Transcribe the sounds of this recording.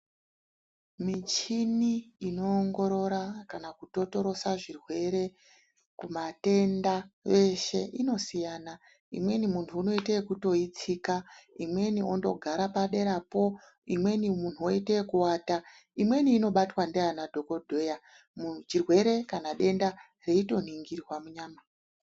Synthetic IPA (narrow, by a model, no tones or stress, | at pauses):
mit͡ʃiniino̞ːŋɡo̞ɾo̞ɾakanakuto̞to̞ɾo̞saʐirwe̞ɾe̞ | kumate̞ndaʋe̞ʃe̞̰ʔino̞sijana | ḭmwe̞nimuntʰuːno̞itekuto̞it͡sikaimwe̞nio̞ndo̞̰ɡʱaɾapaɗe̞ɾapo̞ | imwe̞nimunuoitekuwaːta | imwe̞niːno̞ɓatwandeanadʱo̞ko̞dʱo̞ja | mut͡ʃirwe̞ɾe̞kanaɗe̞nda | re̞ito̞n̤iŋɡirwamuɲaːma